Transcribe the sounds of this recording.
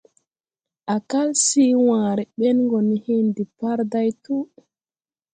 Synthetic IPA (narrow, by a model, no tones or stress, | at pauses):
ʔakalsiːwaːɾɛɓɛnŋɡɔnihindipaɾdajtu